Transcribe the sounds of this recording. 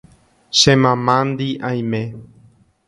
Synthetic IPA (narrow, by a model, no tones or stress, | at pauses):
ʃẽmãmãnd̪iʔãj̃mẽ